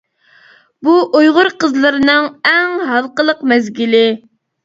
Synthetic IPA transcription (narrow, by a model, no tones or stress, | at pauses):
buʔujʁʊɾqəzlˠɨɾɨnɨŋɛŋɦɑlˠqəlˠəqmɛzɡʲilɪ